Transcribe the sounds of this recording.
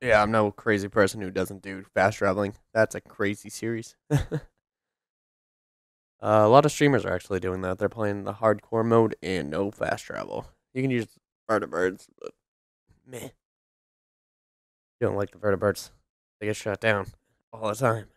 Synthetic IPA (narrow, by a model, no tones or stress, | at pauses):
jæãɪ̃mnoʊkʰɹ̥eɪzipʰɜ˞sn̩hʉdʌz̃n̩d̥ɨfæstʰɹ̥ævl̩ˠɪ̃ŋðætsɨkʰɹ̥eɪzisɪɹiz̥ | ʔʌəlɑɾʌv̥stɹ̥ĩmə˞zə̰˞æ̰k̚t͡ʃul̩ˠidʉɪ̃ŋðæt̪̚ðə˞pʰl̥eɪɪ̃ŋ̃n̩ðə̰hɑɹd̚kʰɔɹmoʊɾɨ̃nːo̰ʊfæ̰stʰɹ̥æ̰vl̩ˠ | jɨkɨ̃nʉd͡ʒ | v̥ɜ˞ɾɨbɜ˞dz̥b̥ʌ̰t̚ | mɪ | d̥õʊ̃nʔlaɪk̚ðəvɜ˞ɾɨbɜ˞dz̥ | ðeɪɡɛtʃʌt̚d̥ãʊ̃n | ɔlˠðətʰãɪ̃m